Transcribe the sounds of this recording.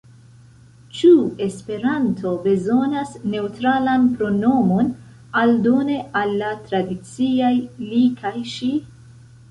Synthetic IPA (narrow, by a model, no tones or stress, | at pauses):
t͡ʃue̞spe̞ɾantʰo̞be̞zo̞nasne̞utɾalanpɾo̞no̞mo̞n | aldo̞ne̞ʔalːatɾadit͡siajlikʰajʃi